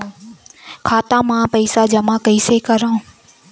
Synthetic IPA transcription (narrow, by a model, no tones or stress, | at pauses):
kʰaːt̪amãpɐɪsad͡ʑɐmãkɐisekɐɾãːũ